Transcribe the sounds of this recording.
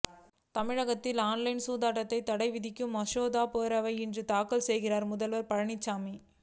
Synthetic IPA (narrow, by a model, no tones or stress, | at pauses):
t̪ɐmɪɻɐɣɐt̪ːɪlaːnlɐɪnsuːðaːʈːɐt̪ːɐɪt̪ːɐɽɐɪʋɪðɪkːɯmɐʂoːðaːpoːɾɐʋɐɪɪndrɯt̪aːkɐlsɛjɣɪraːɾmʊðɐlʋɐɾpɐɻɐɳɪt͡ʃːaːmi